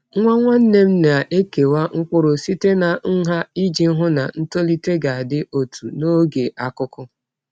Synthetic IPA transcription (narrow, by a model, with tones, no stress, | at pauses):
ŋʷa˦ŋʷa˦n̩˦ne˦m̩˦na˨ʔe˦ke˨wa˦ŋ̩˦kʷʊ˦ɾʊ˨si˦te˦na˨n̩˦ɦa˦i˦d͡ʒi˦ɦʊ˦na˨n̩˦to˦li˦te˦ɡa˨a˨dɪ˦ʔo˨tʰu˨no˦ɡe˨ʔa˨kʊ˦kʊ˦